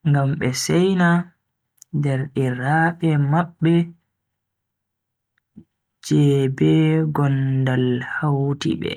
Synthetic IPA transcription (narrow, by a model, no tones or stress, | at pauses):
ŋɡamɓɛsɛjna | dɛɾɗiɾaːɓɛmaɓːɛ | d͡ʒɛːbɛɡɔndalhawtḭɓɛ̰